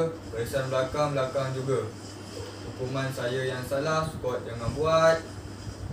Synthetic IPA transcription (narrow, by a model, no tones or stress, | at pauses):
pəisanbəlakaŋblakaŋd͡ʒuɡa | hukumãnsajəjaŋsalahsu̥kɔt̪̚daŋanbuat̪̚